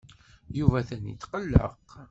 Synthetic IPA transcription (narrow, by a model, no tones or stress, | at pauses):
juvæθænḭt̪qəlːə̰q